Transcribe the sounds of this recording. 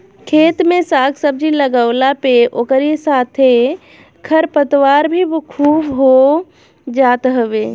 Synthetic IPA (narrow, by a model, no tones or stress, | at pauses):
kʰeːt̪mesaɡsəb̚d͡ʒiləɡəʊlapeʔokəɾisat̪ʰe | kʰəɾpət̪waːɾbʱikʰuːbɦo | d͡ʒaːt̪ɦəʋe